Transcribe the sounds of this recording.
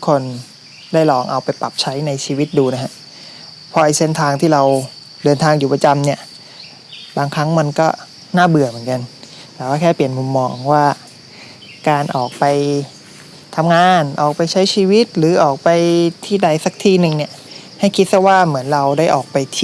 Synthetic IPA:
kʰo˧n | daː˥˩jlɔː˨˩ŋʔa̰˧wpa˧jpa˨˩p̚t͡ɕʰa˦˥jna˧jt͡ɕʰiː˧wi˦˥t̪̚duː˧na˦˥kʰa˦˥ʔ | pʰɔ˧ʔa˧jse˥˩nt̪ʰaː˧ŋt̪ʰiː˥˩ɾa˧w | dɤː˧nt̪ʰaː˧ŋjuː˨˩pɾa˧t͡ɕa˧mni˥˩ɐ | baː˧ŋkʰɾa˦˥ŋma˧nkɔː˥˩ | naː˥˩bɯ˨˩ɐmɯ˩˦nka˧n | t̪ɛː˨˩waː˥˩kʰɛː˥˩pi˨˩ənmu˧mːɔː˧ŋwaː˥˩ | kaː˧nʔɔː˨˩k̚pa˧j | t̪ʰa˧mŋaː˧nʔɔː˨˩k̚pa˧jt͡ɕʰa˦˥jt͡ɕʰiː˧wi˦˥t̪̚ɾɯː˩˦ʔɔː˨˩k̚pa˧jt̪ʰiː˥˩da˧˩jsa˨˩k̚t̪ʰiː˥˩nɯ˨˩ŋni˥˩ɐ | ha˥˩jkʰi˦˥t̪̚sa˧˥waː˥˩mɯ˩˦ənɾa˧wdaː˥˩ʔɔ̰ː˨˩k̚pa˧jt̪ʰː

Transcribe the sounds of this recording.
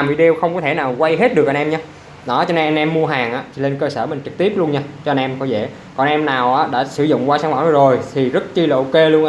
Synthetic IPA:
mi˨˩ɗe˧wxə˧wŋ͡mkɔ˨˦t̪ʰe˧˩naː˨˩wkwa˧jɦe˦˥t̚ɗɨ˨˩əkʔa˧nʔɛ˧mɲaː˧ | ɗɔ˨˦t͡ɕɔ˧ne˧nʔa˧nʔɛ˧mːu˧əɦaː˨˩ŋʔa̰ː˨˦˥t͡ɕʰi˨˩le˧nkəː˧səː˧˩mï̟˨˩t͡ɕɨ˨˩k̚t̪i˦˥əp̚lu˧ənɲaː˧t͡ɕɔ˧ʔa˧nʔɛ˧mkɔ˨˦zḛ˧˩˨ | kɔ˨ʔa˧nʔɛ˧mnaː˨˩wʔaː˨˦ɗa̰ː˧˥sɨ̰˧˩zʊ̰˧˨ŋ͡mkwaː˧saː˧˦ŋwaː˧˩˦n˧˩zo˨˩jt̪ʰi˨˩zə˦˥t̚t͡ɕi˧laː˨ʔo˧ke˧lu˧ənʔ

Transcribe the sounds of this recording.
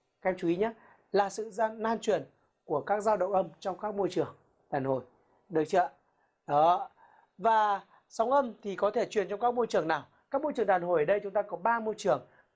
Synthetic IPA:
kɛ˧mt͡ɕu˨˦i˨˦ɲa˦˥ | laː˨˩sɨ̰˧˨znaː˧nt͡ɕwi˨˩ən | ku˧˩əkaː˦˥k̚zaː˧wɗə̰˧˨wŋ͡mʔə˧mt͡ɕɔ˧wŋ͡mkaː˦˥k̚mo˧jt͡ɕɨ˨˩əŋ | ɗaː˨˩nho˨˩j | ɗɨ˨˩ək̚t͡ɕə̰ː˧˨ | ɗɔ˨˦ | vaː˨˩ | sa˨˦wŋ͡mʔə˧mt̪ʰi˨˩kɔ˨˦t̪ʰe˧˩t͡ɕwi˨˩ənt͡ɕɔ˧ŋ͡mkaː˦˥k̚mo˧jt͡ɕɨ˨˩əŋnaː˨˩w | kaː˦˥k̚mo˧jt͡ɕɨ˨˩ə˩ŋɗaː˨˩nho˨˩jʔəː˨˩ɗə˧jt͡ɕʊ˨˦ŋ͡mt̪aː˧kɔ˨˦ɓaː˧mo˧jt͡ɕɨ˨˩əŋ

